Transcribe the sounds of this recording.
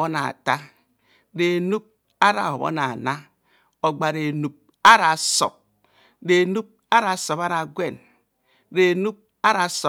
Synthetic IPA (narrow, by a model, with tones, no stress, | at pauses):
o˦na̰˨ta˦ | ɾe˨nu˦p̚ | a˦ɾa̰˨o˨βo̰˦na˨na˦ | o˨ɡ͡ba˨ɾe˨nu˨p̚ | a˦ɾa˨so̰˨p̚ | ɾe˨nu˦p̚ | a˦ɾa˨so˨pa˦ɾa˨ɡʷe˦˨n | ɾe˨nu˦p̚ | a˦ɾa˨so˨